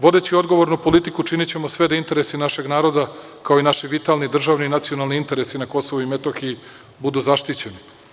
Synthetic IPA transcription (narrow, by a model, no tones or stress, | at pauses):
ʋo̞d̪e̞t͡ɕio̞d̪ɡo̞ʋo̞ɾnupo̞lit̪ikut͡ʃinit͡ɕe̞mo̞sʋe̞d̪aint̪e̞ɾesinaʃe̞ɡnaːɾo̞d̪akaoinaʃiʋit̪alˠnid̪r̩ʒaːʋninat̪sio̞nalˠniint̪e̞ɾesinako̞so̞ʋuimet̪oxiji | bud̪uzaʃt̪it͡ɕeni